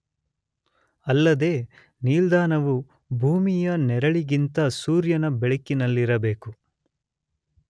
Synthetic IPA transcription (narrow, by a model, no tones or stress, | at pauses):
ɐlːɐd̪e̞ː | niːld̪aːnɐʋu | bʱuːmijɐnɛɾɐɭiɡint̪ɐsuːɾjɐnɐbɛɭɐkːinɐlːiɾɐbe̞ːku